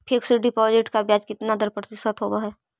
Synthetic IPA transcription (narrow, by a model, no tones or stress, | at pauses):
pʰeːksɪɖipɔːd͡ʒeʈkabjaːd͡ʒkɪt̪nad̪əɾpɾɐt̪ɪsət̪ɦoːɡaɦɛː